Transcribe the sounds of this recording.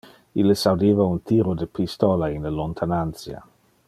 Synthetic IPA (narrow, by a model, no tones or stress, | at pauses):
ilːesawd̪eːvaunt̪iːɾod̪əpist̪ɔlainləlont̪ʰanant͡sja̰